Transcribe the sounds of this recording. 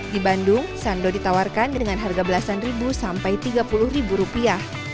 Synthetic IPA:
dibandʊŋsandodit̪awarkandəŋanɦarɡabəlasanribusampajt̪iɡapulʊhribuɾupiah

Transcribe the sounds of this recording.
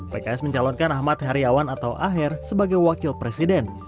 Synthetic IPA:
pekaɛsməɲt͡ʃalɔnkanahmat̪̚haɾiawanat̪awʔaɦɪrsəbaɡajwakɪlpɾesidɛn

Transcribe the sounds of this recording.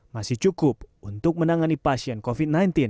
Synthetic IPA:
masɪht͡ʃukʊp̚unt̪ʊk̚mənaŋanipasiɛnkofid̪̚najnt̪in

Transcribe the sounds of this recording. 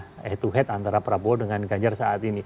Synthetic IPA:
ɛt̪uɦɛt̪ant̪aɾapəɾaboɔdəŋanɡaɲd͡ʒarsaːt̪ini

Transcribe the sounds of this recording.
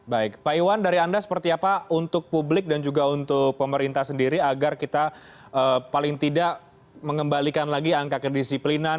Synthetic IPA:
baɪk̚paiwandaɾiandasə̥pərt̪iapaunt̪ʊk̚publɪk̚dand͡ʒuɡaunt̪ʊk̚pəməɾint̪ahsəndiɾiaɡarkit̪a | əpalɪŋt̪idaʔ | məŋəmbalikanlaɡiaŋkakədisiplinan

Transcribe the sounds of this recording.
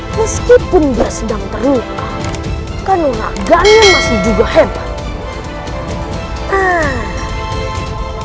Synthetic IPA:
məskipʊnbiasədaŋt̪əɾuka | kanuna̰ʔɡaʔnamasɪhd͡ʒuɡahɛbat | a

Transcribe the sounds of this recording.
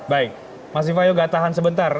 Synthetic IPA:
baɪk̚ | mas̬ifajoɡat̪aɦansəbənt̪ar

